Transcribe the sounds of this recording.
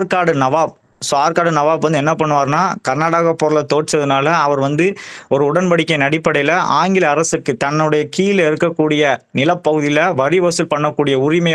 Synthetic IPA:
ɾkaːɽɯnɐʋaːb̚ | saːɾkaːɽɯnɐʋaːbʋɐnd̪ɯɛnːɐpɐɳːɯʋaːɾnaːkɐɾnaːɽaːɣɐpːoːɾɯlɐt̪oːʈt͡ʃːɐðɯnaːlɐɐʋɐɾʋɐnd̪ɯɔɾɯʊɽɐnpɐɽɪkːɐɪnɐɽɪpːɐɽɐjlɐʔaːŋɡɪlɐːɾɐsɯkːɯt̪ɐnːɯɽɐjɐkiːɪlɪɾɯkːɐkːuːɽɪjɐnɪlɐpːɐɣɯðɪjɪlɐʋɐɾɪʋɐsɯlpɐɳːɐkːuːɽɪjɐʊrɪmɐj

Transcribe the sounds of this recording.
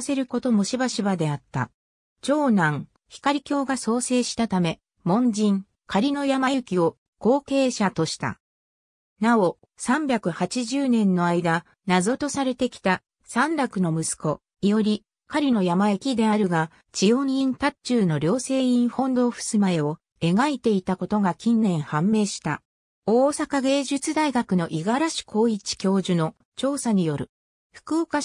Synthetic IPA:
se̞ɾɯ̟ko̞t̪o̞mo̞ɕibaɕibad̪e̞at̪ːa̰ | t͡ɕo̞ːnãŋ | çi̥kaɾʲikʲo̞ːɡaso̞ːse̞ːɕi̥t̪at̪ame̞ | mõ̞ɲ̟d͡ʑĩŋ | kaɾʲino̞jamajɯ̟kʲio̞ | ko̞ːke̞ːɕat̪o̞ɕi̥t̪a̰ | nao̞ | sãmbʲakɯ̟hat͡ɕiʑɨːnẽ̞nːo̞aid̪a | nazo̞t̪o̞saɾe̞t̪e̞kʲi̥t̪a | sãnɾakɯ̟no̞mɯ̟sɨ̥ko̞ | ijo̞ɾʲi | kaɾʲino̞jamaekʲid̪e̞aɾɯ̟ɡa | t͡ɕio̞ɲĩnt̪at͡ɕɨːno̞ɾʲo̞ːse̞ːĩɰ̃hõ̞nd̪o̞ːɸɯ̥sɨmae̞o̞ | e̞ɡait̪e̞it̪ako̞t̪o̞ɡakʲĩnːẽ̞ɰ̃hãmːe̞ːɕi̥t̪a | oːsakaɡe̞ːʑɨt͡sɨd̪aiɡakɯ̟no̞ʔiɡaɾaɕi̥kʰo̞ːit͡ɕi̥kʲo̞ːʑɨno̞ | t͡ɕo̞ːsaɲ̟ijo̞ɾɯ̟ | ɸɯ̟̥kɯoka

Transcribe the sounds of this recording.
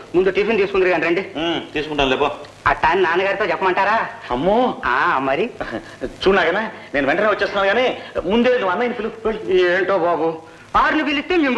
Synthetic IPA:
mund̪uʈiːpʰint̪iːsukundiɾiɡaːnɾeɳɖit̪iːsukuɳʈaːnleːpoː | ɐ̰ʈːaːninaːnɐɡaːɾit̪oːd͡ʒɛpːɐmɐɳʈaːɾaːɐmːoːaːmːɐɾi | t͡ʃuːnaːɡanaːne̞ːnuʋɛɳʈɐneʋɐt͡ʃːest̪unːaːɾɡaːneːmund̪eːnd̪uʋɐnːaːjnipʰilueːɳʈoːbaːbu | aːɾnibilist̪ːeːmiː

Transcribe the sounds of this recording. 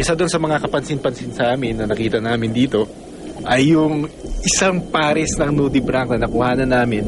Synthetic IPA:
ʔɪsɐd̪ʊnsɐmɐŋakɐpɐnsɪnpɐnsɪnsɐʔaːmɪnːɐnɐkiːt̪ɐnaːmɪnd̪iːt̪o̞ | ʔɐjːʊŋʔɪsaŋpaːɾɛsnɐŋnuːd̪ɪbɾak̚nɐnɐkʊhaːnɐnːaːmɪn

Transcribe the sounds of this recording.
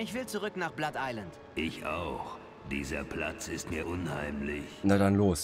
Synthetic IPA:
ɪçv̥ɪlt͡suʁʏknaːχb̥latʔaɪlant | ʔɪçʔa̰ʊx | d̥iːzɐ̰pʰl̥a̰t͡sɪstmiːɐʔʊnha̰ɪmlɪçnadanloːs

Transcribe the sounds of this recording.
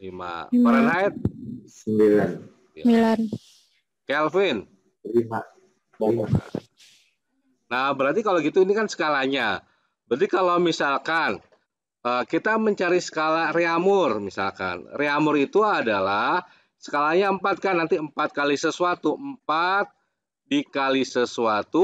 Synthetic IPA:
lima̰paɾanaɛt̪̚səmbilan | milan | kɛlfɪn | lima | oka̰ | nahbəɾart̪ikaloɡit̪uinikansə̥kalaɲa | bədikalawmisalkan | əkit̪aməɲt͡ʃaɾisə̥kalareamʊrmisa̰lka̰nreamʊɾit̪uadalah | sə̥kalaɲaəmpat̪̚kanːant̪iəmpat̪̚kalisəsuat̪uʔəmpat̪̚ | dikalisəsuat̪u

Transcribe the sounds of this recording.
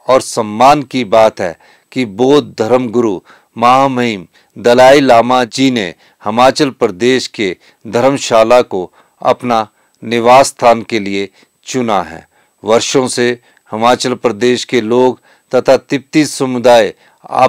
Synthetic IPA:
ɔːɾsəmːaːnkibaːt̪ɦɛ̰ː | kiboːt̪̚d̪ʱɐɾəmɡʊɾu | mɐɦaːmɐim | d̪ɐlaːilaːmad͡ʒine | hɐmaːt͡ʃəlpɾəd̪eːʃke | d̪ʱɐɾəmʃaːlako | ɐ̰pna | nɪʋaːsːt̪ʰaːnkelie | t͡ʃʊnaɦɛ̰ː | ʋɐɾʃõse | hɐmaːt͡ʃəlpɾəd̪eːʃkeloːɡ | t̪ɐt̪ʰat̪ɪp̚t̪isɐmʊd̪aːe | a̰ː

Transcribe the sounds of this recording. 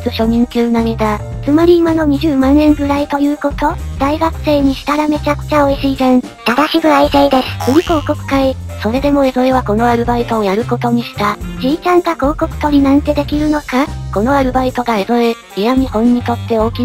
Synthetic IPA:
t͡sɨɕo̞ɲʲĩŋkʲɨːnamʲid̪a | t͡sɨmaɾʲiːmano̞ɲ̟iʑɨːmãnːẽ̞ŋɡɯ̟ɾait̪o̞jɯ̟ːko̞t̪o̞d̪aiɡakɯ̟̥se̞ːɲ̟iɕi̥t̪aɾame̞t͡ɕakɯ̥t͡ɕao̞iɕiːzẽɴ | t̪ad̪aɕiɡɯ̟aiseid̪e̞sɨ̥ɾiko̞ːko̞kɯ̟̥kaiso̞ɾe̞d̪e̞mo̞e̞zo̞eβako̞no̞aɾɯ̟bait̪o̞ːjaɾɯ̟ko̞t̪o̞ɲ̟iɕi̥t̪ad͡ʑiːt͡ɕãŋkako̞ːko̞kɯ̟̥t̪o̞ɾʲinãnt̪e̞d̪e̞kʲiɾɯ̟no̞kako̞no̞aɾɯ̟bait̪o̞ɡae̞zo̞e | ijamʲihõ̞ɲ̟ːit̪o̞t̪ːe̞o̞ːkʲi

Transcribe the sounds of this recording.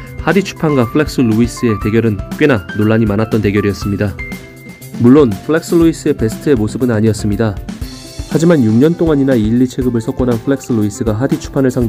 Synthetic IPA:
hadit͡ɕʰu̥pʰanɡapʰɯɭe̞k̚s͈ɯluis͈ɯe̞te̞ɡjʌɾɯnk͈we̞nanoɭːaɲimanat͈̚ʌnte̞ɡjʌɾijʌs͈ɯmɲida | muɭːonpʰɯɭe̞ks͈ɯɭuis͈ɯe̞pe̞sʰɯ̥tʰɯe̞mosʰɯbɯnaɲiʌs͈ɯmɲida | had͡ʑimanjuŋɲʌnt͈oŋaɲinaiʎːit͡ɕʰe̞ɡɯbɯɭsʰʌk͈ʌnɦanpʰɯɭe̞k̚s͈ɯɭuis͈ɯɡaɦadit͡ɕʰu̥pʰanɯɭsʰaŋd

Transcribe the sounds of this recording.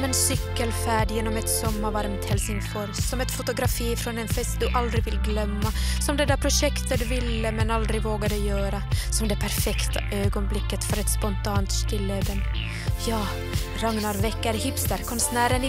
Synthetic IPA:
mɛnsʏkːəlfæːɖjeːnɔmɛt̪sɔmːavaɾmt̪hɛlsɪŋfɔɾsɔmɛt̪fʊt̪ʊɡɾafiːfɾɔnɛnfɛst̪̚d̪ɵʔald̪ɾɪɡvɪlːɡlœmːasɔmd̪ɛd̪æpʰɾʊʂɛkt̪ət̪vɪlːəmɛnald̪ɾɪɡvoːɡad̪əjœːɾasɔmd̪ɛpʰæɾfɛkt̪aʔøːɡɔnblɪkːət̪fœɾɛt̪spɔnt̪ʰɑːnt̪st̪ɪlːəd̪ən | jɑː | ɾaŋnaɾvɛkːaɾhɪpst̪əɾkʰɔnsnæːɾənɪ

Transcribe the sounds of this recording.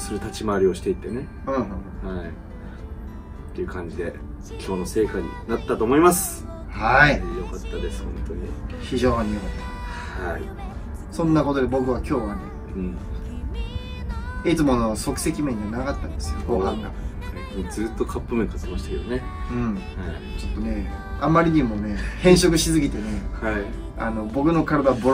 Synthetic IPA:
soɾot̪at͡ɕimaːɾʲio̞ɕi̥t̪e̞it̪ːe̞ne̞ | ɯ̃ːɦõhõhai | t̪ːe̞iɯ̟kʰãɲ̟d͡ʑid̪e̞ | kʲʰo̞ːno̞se̞ːkaɲ̟ḭnat̪ːat̪o̞ːmo̞imasɨ̥ | haijo̞kat̪ːad̪e̞sɨ̥hõ̞nt̪o̞ɲ̟ḭçiʑo̞ːɲ̟ijokat̪ːa | haḭ | sõ̞nːako̞t̪o̞d̪e̞bo̞kɯ̟βakʲo̞ːβanḛ | ɯ̃ɴ | it͡sɨmo̞ano̞so̞kɯ̟se̞kʲimẽ̞ɲ̟ːiβanaɡat̪ːã̰ne̥sɨjo̰oaŋɡa̰sakʲĩɲd͡zɨːt̪ːo̞kʰapːɯmɯ̃ŋkḁt̪emaɕi̥t̪ake̞d̪oneɯ̃ɴ | t͡ɕo̞t̪ːo̞ne̞amːaɾʲiɲ̟imo̞ne̞hẽ̞ɰ̃ɕo̞kɯ̟ɕizɨɡʲit̪e̞ne̞ai | ano̞bo̞kɯ̟no̞kaɾad̪aboɾ

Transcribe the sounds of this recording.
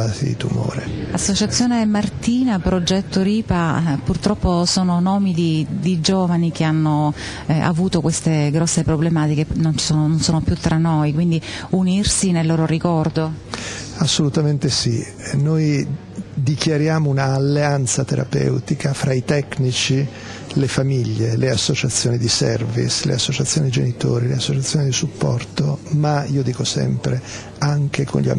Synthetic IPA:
azḭt̪ṵmo̰ːɾḛasːot͡ʃat̪sːjoːnemart̪iːnapɾod͡ʒɛt̪ːoɾiːpapurt̪ɾɔpːosoːnonɔːmid̪id̪id͡ʒoːvanik̟eanːo | a̰vuːt̪okwest̪eɡɾɔsːepɾoblemaːt̪ikenonsoːnononsoːnopjut̪ːɾanːojkwind̪iunirsinelːoːɾorikɔrd̪o | asːolut̪ament̪esḭ | noj | d̪ikjaɾjaːmounaːlːeant̪sat̪eɾa̰pɛ̰wt̪ikafɾait̪ɛknit͡ʃi | lefamiʎːeleasːot͡ʃat̪sːjoːnid̪isɛ̰rvḭslḛasːot͡ʃat̪sːjoːnid̪id͡ʒenit̪o̰ːɾilḛasːot͡ʃat̪sːjoːnid̪isupːɔ̰rt̪omaiːod̪iːkosɛ̰mpɾe | aŋkekʰo̰nʎia̰

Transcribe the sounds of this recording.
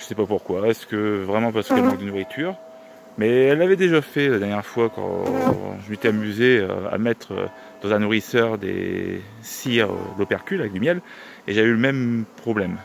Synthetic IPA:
ʒə̥sɛpapuʁkwaɛsə̥kəvʁɛmɑ̃paʁsə̥kɛlpald̪ənuʁit̪ʰyʁ | mɛɛlːavɛd̪eʒafɛlad̪ɛʁnjɛʁfwakɑ̰̃ | ʒəmet̪ɛamyzeø̰a̰mɛt̪χø̰ | d̪̥ɑ̃zɛ̃nuʁisœʁd̪ḛ | siʁ̰lopɛʁkʲylavɛkd̪əmjɛl | eʒavɛyləmɛmpχɔblɛm

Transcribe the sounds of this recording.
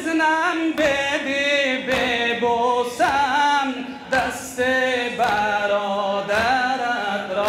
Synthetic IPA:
znambed̪ibebosam | d̪ast̪ebaɾɔd̪aɾat̪ɾɔ

